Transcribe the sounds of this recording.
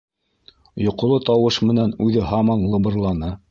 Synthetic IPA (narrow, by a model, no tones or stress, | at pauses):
jŏqŏlˠɤt̪ɑwɤʃmɘ̆nænʉðɘɦɑmɑnlˠɤ̆bɤ̆ɾlˠɑnɤ